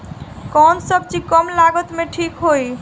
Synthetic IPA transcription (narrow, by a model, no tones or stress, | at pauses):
kɔnsəb̚t͡ʃikɔmlaɡət̪meʈʰikɦoj